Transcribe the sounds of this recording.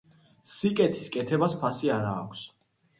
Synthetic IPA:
sikʼɛt̪ʰi̥skʼɛt̪ʰɛbaspʰasiaɾaːkʷʰs

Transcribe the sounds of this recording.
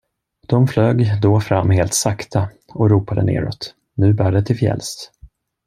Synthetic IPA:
d̪̥ɔmfløːɡd̪ɔfɾamːheːlt̪sakt̪ʰa | ɔɾuːpad̪ənḛːɾɔ̰t̪ | nʉ̟ːbæːɖɛt̪ʰɪlfjɛ̰lst̪

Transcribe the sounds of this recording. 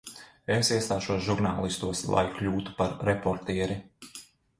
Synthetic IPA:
esiɛst̪aːʃuɔsʒuɾnaːlˠist̪uɔslˠa̰jklʲuːt̪u̥paɾːɛpɔɾt̪iɛɾi

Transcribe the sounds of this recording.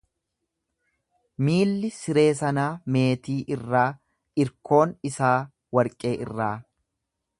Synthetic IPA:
miːlːɪsɪɾe̞ːs̬ɐnaːme̞ːt̪iːʔɪrːaː | ʔɪɾko̞ːnɪsaː | wɐɾkʼe̞ːʔɪ̰rːaː

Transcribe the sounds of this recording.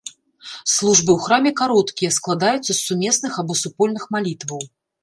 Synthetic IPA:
slˠuʐbɨwxɾamʲɛkaɾɔt̪kʲijɐsklˠad̪ajut̪sːɐsːumʲɛsnɨxabɔsupɔlʲnɨxmalʲit̪vɐw

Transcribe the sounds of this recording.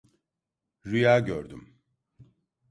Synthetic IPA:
ɾyjaːɟøɾd̪ym

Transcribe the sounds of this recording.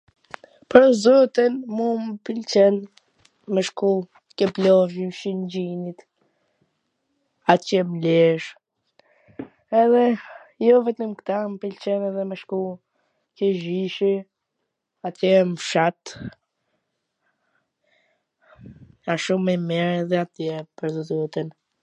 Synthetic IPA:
pəɾzɔt̪inmuməpilt͡ʃɛn | məʃku | kɛplɔʒiʃind͡ʒinit̪ | at̪jɛmlɛʃ | ɛðɛjɔvɛt̪əmkt̪ampilt͡ʃɛnɛðɛməʃku | kɛʒiʃi | at̪jɛmfʃat̪ | aʃumɛmɛɾðɛat̪jɛpəɾzəd̪ut̪ən

